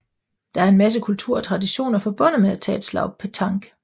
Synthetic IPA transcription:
d̥ɑ̈æɐe̝nmæs̬əkʰult͡sʰuɐ̰ɒt͡sʰʁɑ̈diɕo̝̰ːnɐfɒ̽b̥ɔ̽n̰əmeæt͡sʰɛ̰ːd̥slɑ̈ʊ̥pʰet͡sʰɑ̈ŋɡ̥

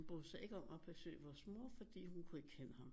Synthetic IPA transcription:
nb̥ɔð̩ˠsɑ̈ɪʔe̝ɡ̥əɒ̽mæb̥ʰæsø̰ːɪʋɒːsmoɐ̰fɒ̽d̥ḭːhunkʰue̝ɡ̥kʰenəhɑ̈m

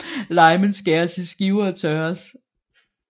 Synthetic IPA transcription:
lɑ̈ɪmənsɡ̥æɐsisɡ̥iʊɐt͡sʰœɐs

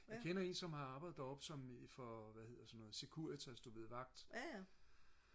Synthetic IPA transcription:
jkʰenɐe̝nsɒ̽mhɑ̈ɑ̈ːb̥ɪð̥̩ˠdɒ̽b̥sɒ̽mfɒʋæhe̝ð̰ˠɐsɒ̽nːɔ̽ːð̩ˠsekʰuɐ̰t͡sʰæsd̥ob̥le̝ð̩ˠʋɑ̈ɡ̥d̥

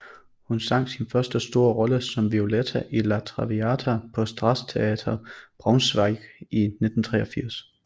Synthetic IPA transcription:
hunsɑ̈ŋ̰̥sinfɶɐsd̥əsd̥o̝ːɐʁɒ̽ləsɒ̽mʋio̝let͡sʰæʔilæt͡sʰʁɑʋiæt͡sʰæpʰɒ̽sd̥ʁɑ̈st͡sʰe̝ɛːt͡sʰɐb̥ʁɑ̈ʊnsʋɑ̈ɪɡ̥ine̝d̥n̩t͡sʰʁɛ̰ːɒ̽fiɐ̰s

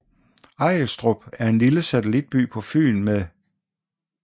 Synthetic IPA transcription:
ɑ̈ɪ̰əsd̥ʁob̥æɐe̝nliləsæt͡sʰəlid̥̚b̥y̰ːpʰɒ̽fy̰ːnmeðˠ

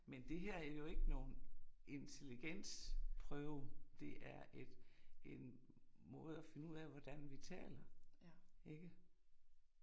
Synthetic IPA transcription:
mend̥e̝ɦeɐ̰æɐjo̝e̝ɡ̥əno̝ːn̩e̝nt͡sʰe̝liɡ̥en̰spʰʁœʊd̥e̝ʔæɐed̥en | mɔ̽ːð̞̩ˠæfe̝nəuð̰ˠæʋɒd̥ænʋit͡sʰɛ̰ːlɐ | e̝ɡ̥ə

